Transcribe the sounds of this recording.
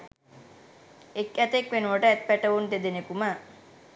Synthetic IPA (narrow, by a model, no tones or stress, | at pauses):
ekːæt̪ekʋenuʋəʈəɛt̪̚pæʈəʋund̪ed̪enekumə